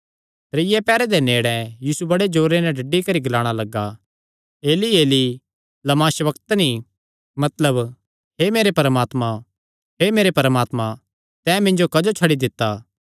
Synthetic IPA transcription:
t̪ɾɪɪjɛpɛːɾɛd̪eneːɽɛ̃jiːsubɐɽed͡ʒoːɾenɛ̃ɖɐɖːikɐɾiɡɐlaːɽ̃alɐɡa | eːlieːli | lɐmaːʃʋɐkt̪ni | mɐt̪ləb | ɦemeːɾepɐɾəmaːt̪mã | ɦemeːɾepɾəmaːt̪mã | t̪ɛ̃ːmɪ̃ɲd͡ʒokɐd͡ʒot͡ʃʰɐɽid̪ɪt̪ːaː

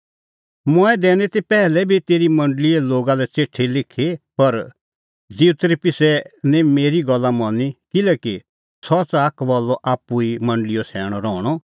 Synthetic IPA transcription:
mɔɛd̪ɛːnɛt̪ipɛːlɛbʱit̪eːɾimɐ̃ɳɖlɪɛloːɡalɛt͡seːʈʰːelɪkʰepɐɾ | d͡ziut̪ɾipɪsɛnɛ̃meːɾiɡɔlːamɔnikɪlɛːki | sɔt͡saːkʰʋɔlːɔʔaːpːuimɐ̃ɳɖəlɪjosʰɛːɽ̃ɔɾɔːɽ̃ɔ

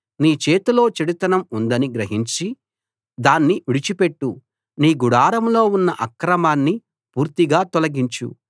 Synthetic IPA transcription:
niːt͡ʃeːt̪ulo̞ːt͡ʃiɽit̪ɐnɐmund̪ɐniɡɾɐɦiɲt͡ʃi | d̪aːnːiʋiɽit͡ʃipe̞ʈːu | niːɡuɽaːɾɐmlo̞ːunːɐʔɐkɾɐmaːnːi | puːɾt̪iɡaːt̪ɔlɐɡiɲt͡ʃṵ

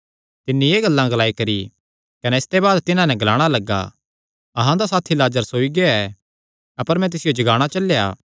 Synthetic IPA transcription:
t̪ɪnːieːɡɐlːãɡɐlaːikɐɾi | kɐnɛɪst̪ebaːd̪t̪ɪnãnɛ̃ɡɐlaːɽ̃alɐɡːa̰ | ɐɦãd̪asaːt̪ʰːilaːd͡ʒəɾsoːiɡeɛ | ɐpəɾmɛ̃t̪̬ɪsɪjod͡ʒɐɡaːɽ̃at͡ʃɐlːja̰ː

